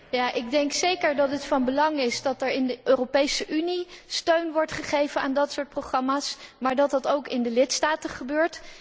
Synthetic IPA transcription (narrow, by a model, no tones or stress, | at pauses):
jaːʔɪɡ̚dɛŋksejkəɹdɑtətfɑnbəlɑŋɪsdɑtəɹɪndəʔøːropejsəʔynistøɥnʋɔɹtχəχejvənaːndɑtsʊːɹt̚proχrɑmaːsmaːɹdɑt̚dɑtowkɪndəlɪtstaːtəχəbøːɹt